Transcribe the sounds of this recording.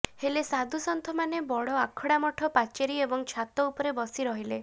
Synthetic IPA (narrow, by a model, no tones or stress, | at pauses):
helesad̪ʱusɔnt̪ʰɔmanebɔɽɔakʰɔɽamɔʈʰɔpat͡ʃeɾiebɔŋt͡ʃʰat̪ɔupɔɾebɔsiɾɔɦile